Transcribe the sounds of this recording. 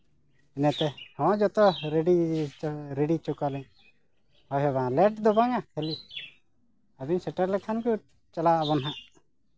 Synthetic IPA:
ɛnat̪ɛhɔ̃d͡ʒɔt̪ɔɾeɖi | ɾɛɖit͡ʃɔkalɛɲ | hɔɦɛbaãlɛʈd̪ɔbaŋakʰɛli | abiɲsɛʈaɾlɛkʰanku | t͡ʃalaʔbɔnɦaʔ

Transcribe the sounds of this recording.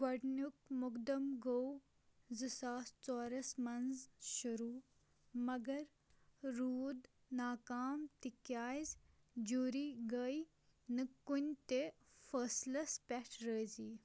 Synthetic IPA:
ɡɐɖnuk̚mʊkd̪ɐmɡow | zɨsaːst͡sɔːɾɐsmɐnzʃuɾuː | mɐɡɐɾː | uːd̪ | naːkaːmt̪ikjaːz | d͡ʒuɾiɡəj | nɨkːunʲt̪e | fəːslɐspʲɛʈʰɾəːziː

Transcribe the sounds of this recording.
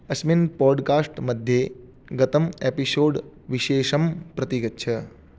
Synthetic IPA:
ɐsminpɔːɖkaːsʈmɐd̪ʱje | ɡɐt̪ɐmepisoːɖ | ʋiʃeːʃɐmpɾɐt̪iɡɐtːt͡ʃʰɐ

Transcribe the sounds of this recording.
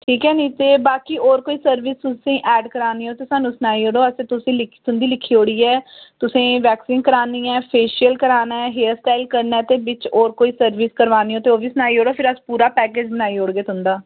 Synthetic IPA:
ʈʰiːkɛːnĩːt̪eːbaːkiːoːɾkoːiːsəɾʋist̪ʊsẽːʔɛːɖkəɾaːniːɦoːt̪eːsaːnũːsənaːiːoːɽoːəsẽːt̪ʊsĩːlɪkt̪ʊnd̪iːlɪkʰːiːoːɽiːɛːt̪ʊsẽːʋɛːksiːnkəɾaːniːɛːpʰeːʃiəlkəɾaːnaɛːɦeːsʈaːɪlkəɾnɛːt̪eːbɪt͡ʃoːɾkoːiːsəɾʋiːskəɾʋaːniːoːt̪eːoːʋiːsənaːiːoːɽoːpʰɪɾəspuːɾaːpɛːkeːd͡ʒbənaːiːoːɽɡeːt̪ʊnd̪aː

